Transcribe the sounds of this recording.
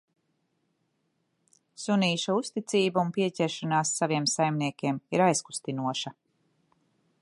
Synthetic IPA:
suniːʃaust̪it̪siːbaunpiɛcʲɛɾʃanaːsːaviɛmsajmniɛkʲiɛmiɾajsku̥st̪inuɔʃa

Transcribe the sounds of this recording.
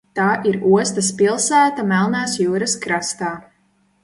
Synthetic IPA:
t̪aːʔiɾuɔst̪ɐspilˠsæːt̪amælˠnaːsjuːɾɐskɾast̪aː

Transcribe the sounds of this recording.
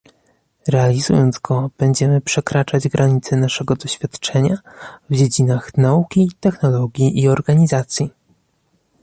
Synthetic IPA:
ɾɛalʲizujɔnd̪zɡɔb̥ɛɲd͡ʑɛmɘpʂɛkɾat͡ʂad͡ʑɡɾaɲit̪sɛnaʂɛɡɔd̪ɔɕfʲjat̪t͡ʂɛɲavd͡ʑed͡ʑinaxnaukʲit̪ɛxnɔlɔɡʲjiʔiɔɾɡaɲizat̪sʲji

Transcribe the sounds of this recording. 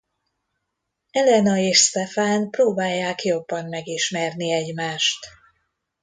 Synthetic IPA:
ɛlɛnɒeːʃst̪ɛfaːnproːbaːjːaːkjo̞bːɒnmɛɡiʃmɛrniɛɟmaːʃt̪

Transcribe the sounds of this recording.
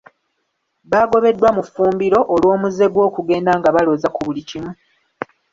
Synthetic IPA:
βaɡo̞βe̞dːwamufuːmbiɾo̞ʔolwo̞ːmuze̞ɡwo̞ːkuɡe̞ːndaːŋɡaβaloːzakuβulicimu

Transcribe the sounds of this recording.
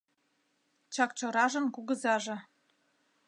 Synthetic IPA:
t͡ɕɑkt͡ɕɤ̆ɾɑʒə̆mkuɣə̆zɑʒĕ

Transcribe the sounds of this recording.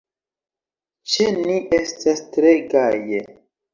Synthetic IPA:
t͡ʃeniʔestastɾeɡaje

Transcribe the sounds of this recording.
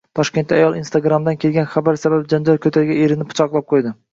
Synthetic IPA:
t̪ʰɒʃkʲe̞nt̪ːajɒlˠinst̪ʰaɡɾamd̪ankʲʰe̞lɡʲanχabaɾsababd͡ʒand͡ʒalkʰʲɵt̪ʰaɾɡʲaeɾɪnɪpʰːʊ̥t͡ʃʰɒqlˠap̚qʰojd̪ɪ

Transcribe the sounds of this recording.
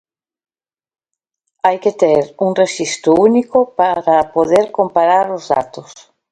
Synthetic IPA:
ajket̪eɾuŋreʃist̪ʊunikʊpaɾapoðeɾkompaɾaɾʊzða̰t̪ʊs

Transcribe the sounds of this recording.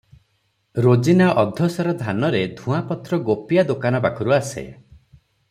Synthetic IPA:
ɾod͡ʒinaʔɔd̪ʱɔsɔɾɔd̪ʱanɔɾed̪ʱũapɔt̪ɾɔɡopijad̪okanɔbakʰɔɾuasḛ

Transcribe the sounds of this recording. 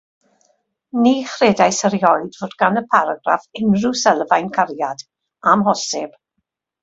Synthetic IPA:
niːχreːdajsəɾjɔjdvoːdɡanəpʰaɾaɡra̰fɪnrusɛlˠvajnkʰaɾjad | amɦɔsɪb̥

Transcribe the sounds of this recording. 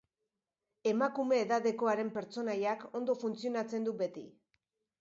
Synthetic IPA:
e̞makume̞ːðaðe̞ko̞aɾe̞mpe̞ɾt͡so̞najako̞nd̪o̞funt͡sio̞nat͡se̞nd̪ube̞t̪ḭ

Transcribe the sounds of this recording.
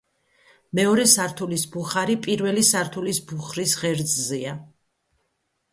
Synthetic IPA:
mɛɔɾɛsaɾt̪ʰulisbuχaɾipʼiɾvɛlisaɾt̪ʰulisbuχɾisʁɛɾd̪zzia

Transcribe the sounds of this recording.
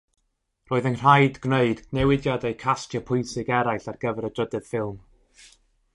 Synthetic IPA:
roːɨðənr̥ajdɡneɨdnɛwɪdjadejkʰastjəpʰʊjnsɪɡɛɾajɬarɡ̥əvɛɾədədɨð̥fɪlˠm

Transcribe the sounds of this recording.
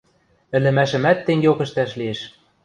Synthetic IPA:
ɘ̆lɘ̆mæʃɘ̆mæt̪ːeŋɡeokə̆ʃt̪æʃlieʃ

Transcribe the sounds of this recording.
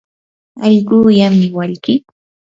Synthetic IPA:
ɑʎɢuːjamːɪwaʎkɪ

